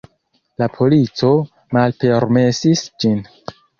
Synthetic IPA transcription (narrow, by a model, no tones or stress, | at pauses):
lapʰo̞lit͡so̞ | malpe̞ɾme̞sisd͡ʒin